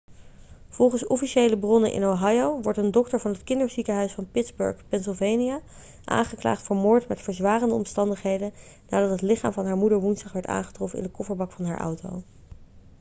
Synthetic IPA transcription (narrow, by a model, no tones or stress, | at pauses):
v̥ɔlˠχənsɔfiʃejləbrɔnənʔɪ̰nowɦɑjowʋɔɹtəndɔktəɹvɑnɦətkɪndəɹzikəɦœɥsfɑnpɪdzbɵ̰ɹχpɛnsɪlˠvejnija | ʔa̰ːnχəkla̰ːχtfəɹmʊːɹtmɛtfəɹzʋaːrəndəɔ̰mstɑndəχɦejdən | naːdɑtɦətlɪχaːmvɑnɦaːɹmudəɹʋunzdɑχʋɛɹta̰ːnχə̥trɔfənɪ̰ndəkɔfəɹbɑkfɑnɦa̰ːɹʔʌ̰wto̰w